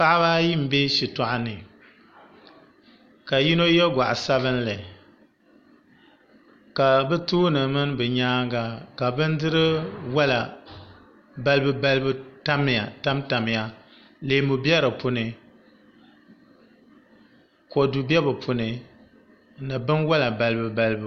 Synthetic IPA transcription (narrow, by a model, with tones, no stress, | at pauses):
pa˦ʔβa˦ji˦m̩˨be˦ʃi˨tɔ˨ʔa˦nɨ˨ | ka˨ji˦no˦jɛ˦ɡʷa̰˨ʔa˨sa˦βɨ˦n˦lɨ˨ | ka˨bɛ˦tuː˦nɨ˨mɨ˦n˦bɨ˨ɲaː˦ɡa˨ka˨bɨ˦n˦dɨ˦ɾɨ˦wa˦la˨ | ba˦lɨ˦bɨ˦ba˦lɨ˦bɨ˦ta˦m˦˨a˨ta˦mta˨m˨ja˦ | le˨˦mu˨bjɛ˦ɾɨ˨pʊ˨˦nɨ˨ | ko˨du˨bɛ˦bɨ˨pʰu˨nɨ˨ | nɨ˨bɨ˦nwa˦la˨ba˨lɨ˦bɨ˦ba˦lɨ˦b